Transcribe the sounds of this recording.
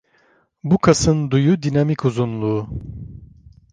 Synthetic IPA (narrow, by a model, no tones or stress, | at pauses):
bukʰasɯnd̪ujud̪inamikʰuzunlˠu